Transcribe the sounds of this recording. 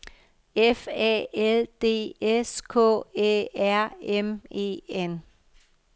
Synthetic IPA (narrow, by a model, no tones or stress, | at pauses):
efɛ̰eld̥e̝̰ːeskʰɔ̰ːḛːæɐ̰eme̝̰ːen